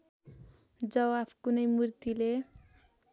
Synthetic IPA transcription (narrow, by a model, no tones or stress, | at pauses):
d͡zʌwapʰkunʌjmuɾt̪ile